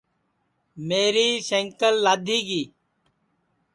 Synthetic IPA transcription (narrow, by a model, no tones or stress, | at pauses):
meːɾiːseŋkəlːaːd̪ʱiːɡiː